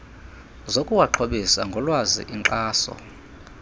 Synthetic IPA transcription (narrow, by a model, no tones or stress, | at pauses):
zokʼuwaǃʰoɓisaŋɡʱɔlwazḭʔiŋǃaːsɔ̰